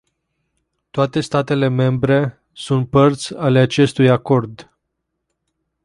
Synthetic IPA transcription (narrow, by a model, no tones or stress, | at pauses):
t̪oat̪e̞st̪at̪e̞le̞me̞mbɾe̞ | sunt̪̚pərt̪sʲale̞at͡ʃe̞st̪ujako̞rd̪